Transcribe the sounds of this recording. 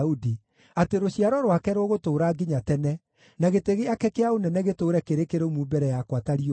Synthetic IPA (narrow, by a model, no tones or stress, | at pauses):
udi | ateɾoɕiaɾɔɾwakɛɾwɔɣotoːɾaːɡiɲatɛnɛ | naɣeteɣeakɛkeaonɛnɛɣetoːɾɛkeɾekeɾomubɛɾɛjakwataɾio